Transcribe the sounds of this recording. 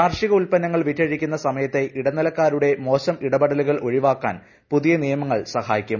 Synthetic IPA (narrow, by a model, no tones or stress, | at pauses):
aːrʂiɣɐulpɐnːɐŋːɐɭʋitːɐɻikʲːunːɐsɐmɐjɐt̪ːe̞ʔiɽɐnɐlɐkːaːɾuɽe̞mo̞ːɕɐmiɽɐbɐɽɐluɣɐɭʔo̞ɻiʋaːkːa̰ːn | puðijɐnijɐmɐŋːɐɭsɐhaːjikʲːum